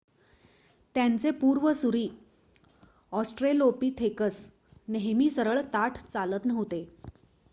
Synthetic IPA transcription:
t̪jant͡sepuɾʋəsuɾiː | ɔsʈɾelopiːʈʰekəs | neɦmiːsəɾəɭt̪aʈʰt͡salət̪nəʋt̪e

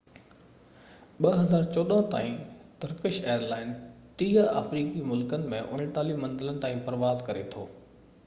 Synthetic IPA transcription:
ɓɐɦɐzaːɾt͡ɕoːɗ̪õt̪a̰ːĩt̪ɐɾkɪʃeːəɾlaːɪn | t̪iɦəaːfɾiːkimʊlkənɪ̆mẽʔʊ̰ɪnt̪aːlimːɐ̃nzɪlənɪ̆t̪aːĩpɐɾʋaːzkɐɾet̪ʰoː

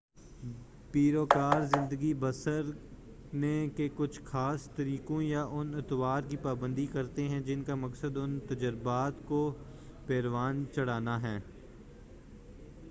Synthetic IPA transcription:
piːɾoːkaːɾzɪ̃nd̪əɡibɐsəɾ | nekekʊt͡ʃʰxʰaːst̪əɾiːkõjaʔʊnɪt̪ʋaːɾkipaːbə̃nd̪ikɐɾt̪eɦɛ̃d͡ʒɪnkamɐksəd̪ʊnt̪ɐd͡ʒəɾbaːt̪ko | pɛːɾʋaːnt͡ʃɐɽaːnaɦɛː

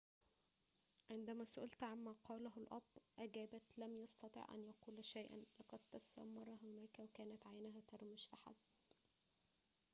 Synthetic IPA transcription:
ʕend̪æmæːsʊʔælt̪ʕamːæːqʰɑːlæhʊlʔɑbːʔæɡæːbæt̪læmjɑst̪ɑt̪ˤḭʕʔæ̰njɑquːlʃæjʔæ̰nlɑqɑd̪̥t̪ɑsæ̰mːɑɾˤɑhælmækæwkæːnæt̪ʕajenæɦæt̪ɑɾˤmɪʃfaħa̰z

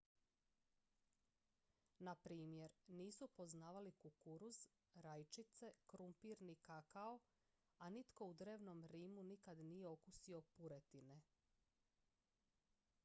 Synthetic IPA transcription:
napɾiːmje̞ɾniːsupo̞znaːʋalikukuɾuz | ɾaːjt͡ʃit̪sekɾumpiːɾnikakao | anit̪ko̞ud̪ɾe̞ːʋno̞mɾiːmunikad̪nije̞o̞kusio̞puɾet̪ine

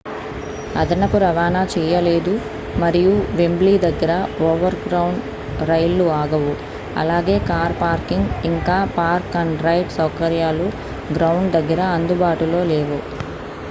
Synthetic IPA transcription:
ɐd̪ɐnɐpuɾɐʋaːnaːt͡ʃɛːjɐle̞ːd̪u | mɐɾijuʋembliːd̪ɐɡːɐɾɐoːʋɐɾɡɾɐwɳɖ | ɾɐjlːuaːɡɐʋu | ɐ̰laːɡe̞ːkaːɾpaːɾkiŋɡiŋkaːpaːɾkɐɳɖɾɐjʈsɐwkɐɾjaːlu | ɡɾɐwɳɖd̪ɐɡːɐɾɐɐnd̪ubaːʈulo̞ːleːʋu

